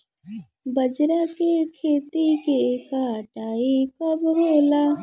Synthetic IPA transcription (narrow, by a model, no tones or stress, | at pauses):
bəd͡ʒɾakekʰeːt̪ikekaʈaːikɐbɦoːla